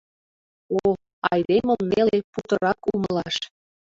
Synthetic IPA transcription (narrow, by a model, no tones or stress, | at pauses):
o | ɑjd̪eməmneleput̪ə̆ɾɑkuməlɑʃ